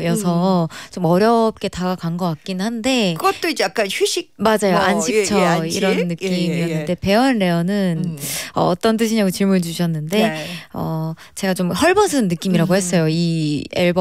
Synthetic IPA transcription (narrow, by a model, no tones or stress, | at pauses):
jʌsʰʌt͡ɕomʌɾjʌp̚k͈e̞taakaŋɡʌkwak̚k͈inhande̞kɯɡʌtt͈oid͡ʑejak͈ançiɕ͈ʰik̚mad͡ʑajoʔanɕʰik̚t͡ɕʰʌiɾʌnːɯkk͈imijʌnːɯnde̞pe̞ʌnɾe̞ʌnɯnʌ̰ːt͈ʌnt͈ɯɕʰiɲaɡot͡ɕiɭmund͡ʑuɕʰʌnːɯnde̞ʌ | t͡ɕe̞ɡat͡ɕomhʌɭbʌnsʰɯnːɯk͈imiɾaɡohe̞s͈ʌjoiḛɭb